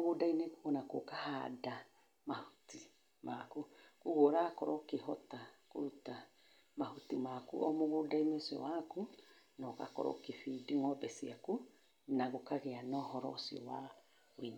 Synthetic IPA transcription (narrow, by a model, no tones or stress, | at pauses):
ɣodainekoɣɔnakokahada | mahu̥ti | makukuɣoɾakɔɾɔkehɔtako̰ɾuta | mahutimakṵʔɔmoɣodaineosiɔ̰waku | nɔka̰kɔ̰ɾɔ̰kefidiŋɔbɛsiaku | naɣokaɣeanɔɦɔɾɔsiɔ̰wa | oin